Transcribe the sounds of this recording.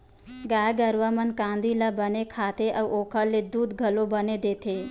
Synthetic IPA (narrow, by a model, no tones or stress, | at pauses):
ɡajɡəɾʋamənkãnd̪ilabənekʰat̪eʔəʋʔokʰəlːed̪ud̪ɡʱəlobəned̪et̪ʰe